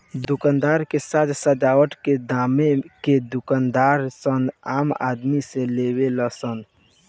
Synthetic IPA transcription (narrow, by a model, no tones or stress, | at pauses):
d̪ʊkand̪aːɾkesad͡ʒsəd͡ʒawəʈked̪ameked̪ʊkand̪aːɾsənaːma̰d̪miseleweləsən